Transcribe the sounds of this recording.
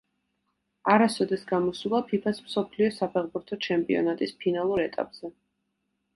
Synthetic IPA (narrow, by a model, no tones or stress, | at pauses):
aɾasɔd̪ɛsɡamɔsulˠapʰipʰasmsɔpʰliɔsapʰɛʁbuɾt̪ʰɔt͡ʃʰɛmpʼḭɔ̰nat̪ʼispʰinalˠuɾɛt̪ʼa̰pʼz̥ɛ